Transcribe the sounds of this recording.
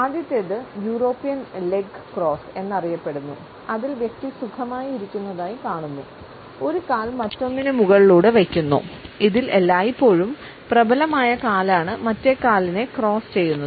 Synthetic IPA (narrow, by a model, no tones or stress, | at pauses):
aːd̪jɐt̪ːeðɨjuːro̞ːpːijɐnle̞ɡkro̞ːse̞nːɐrijɐpːe̞ɽunːu | ɐðilʋje̞k̚t̪isukʰɐmaːjiɾikʲːunːɐðaːjikaːɳunːu | o̞ɾukaːlmɐtːo̞ŋːɐnumuɣɐɭiɭuːɽɨʋɐkʲːunːṵiðilelːaːjipːo̞ːɻum | prɐbʱɐlɐmaːjɐkaːlaːɳɨmɐtːe̞kaːline̞kro̞ːst͡ɕe̞jːunːɐð